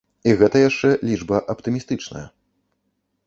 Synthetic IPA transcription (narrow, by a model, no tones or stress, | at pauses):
iɣɛt̪ɐjaʂt͡ʂɛlʲiʐbɐʔɐpt̪ɨmʲist̪ɨt͡ʂnɐ̰jɐ̰